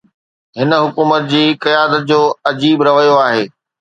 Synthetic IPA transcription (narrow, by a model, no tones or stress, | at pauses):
ɦɪnə̆ɦʊkuːmət̪̚d͡ʑiːkɐjaːd̪ət̪̚d͡ʑoːɐd͡ʑiːbɾɐʋəjoaːɦeː